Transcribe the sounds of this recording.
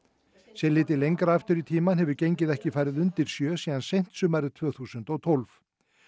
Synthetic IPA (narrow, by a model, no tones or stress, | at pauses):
sjɛlɪːt̪̬ɪlejŋkɾaaft̪ʏɾit̪ʰiːmanɦɛvʏɾcejɲcɪðɛhcɪfaːjɾɪðʏnt̪ɪɾ̥sjœːsiːðansejn̥t̪sʏːmaɾɪt̪ʰv̥œːθuːsʏnt̪ɔɣt̪ʰɔlv